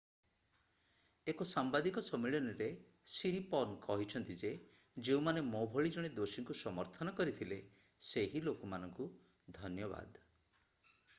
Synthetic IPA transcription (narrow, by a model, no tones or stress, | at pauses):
ekosambad̪ikɔsɔmeɭɔniɾe | siɾipɔnkɔɦit͡ʃʰɔnt̪id͡ʒe | d͡ʒeũmanemɔbʱɔɭid͡ʒɔɽ̃ed̪osiŋkusɔmɔɾt̪ʰɔnɔkɔɾit̪ʰile | seɦilokɔmanɔŋku | d̪ʱɔnjɔba̰d̪